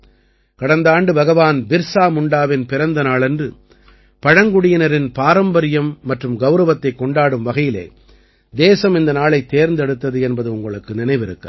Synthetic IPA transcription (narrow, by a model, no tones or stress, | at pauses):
kɐɽɐnd̪aːɳɖɯbɐɣɐʋaːnbɪɾsaːmʊɳɖaːʋɪnpɪɾɐnd̪ɐnaːɭɛndrɯ | pɐɻɐŋɡʊɽɪjɐnɐɾɪnpaːɾɐmbɐɾɪjɐmːɐʈrɯmɡɐʊɾɐʋɐt̪ːɐɪkːɔɳɖaːɽɯmʋɐɣɐjɪlḛː | d̪eːsɐmɪnd̪ɐnaːɭɐɪt̪ːeːɾnd̪ɛɽɯt̪ːɐðɯɛnbɐðɯʊŋɡɐɭɯkːɯnɪnɐɪʋɪɾɯkːɐ